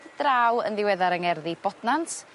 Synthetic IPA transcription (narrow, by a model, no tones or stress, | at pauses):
d̥raːwə̰nðɪwɛðaɾəŋɛrðib̥ɔdnantʰ